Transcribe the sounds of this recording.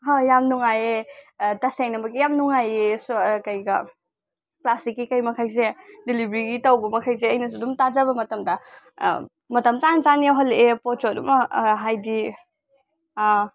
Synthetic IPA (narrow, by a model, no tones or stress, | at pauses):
ɦajamnuŋajetɐseŋnɐmbɐɡijamnuŋajeskɐjɡɐ̰ | klasikːikɐjmɐkʰɐjs̬edilibɾiɡitɐwbɐmɐkʰɐjs̬eɐjnɐs̬udumtazɐbɐmɐtɐmdɐ̰ | mɐtɐmt͡ʃansanijawɦɐlepot̚t͡ʃot̚umɐɦajdi